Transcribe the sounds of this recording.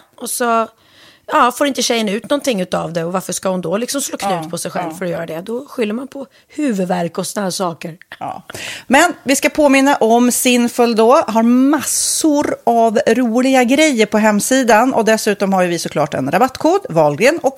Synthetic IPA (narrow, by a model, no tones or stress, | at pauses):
ʔɔsɔ | jɑːfoːɾɪnt̪əɕɛjənaʉ̟ːt̪nɔnt̪ʰɪŋːʉ̟ːt̪avd̪ɛɔvaɾfəʂkahʊnd̪ɔlɪksɔmsloːkʰnʉ̟ːt̪pʰɔsɛjɧɛlvfœɾɔjœːɾad̪ɛd̪ɔɧʏlːəɾmanpʰɔ | hʉ̟ːvɵd̪væɾkɔsɔnahæːʂɑːkəɾɑ̰ːmɛnvɪskapʰoːmɪnːaʔɔmsɪnfɵld̪ɔɦaɾmasːʊɾavɾuːlɪɡaɡɾɛjːəɾpʰɔɦɛmːsiːd̪anʔɔ̰d̪ɛsʉ̟ːt̪ɔmhaɾjɵvɪsɔkʰlɑːʈɛ̰nɾabat̪ːkʰoːɖ̪vɔlɡənɔk